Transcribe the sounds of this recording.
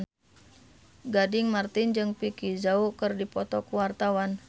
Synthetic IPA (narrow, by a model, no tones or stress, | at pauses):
ɡadɪŋmart̪ɪnd͡ʒɨŋpikizaukɨrdipɔt̪ɔkuwart̪awan